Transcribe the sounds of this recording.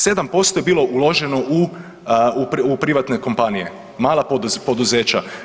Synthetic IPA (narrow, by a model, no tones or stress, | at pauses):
se̞d̪ampo̞st̪oje̞biːlo̞ʔulˠo̞ʒeno̞ʔu | uupɾiʋat̪neko̞mpanijḛ | maːlˠapopo̞d̪uze̞ːt͡ɕa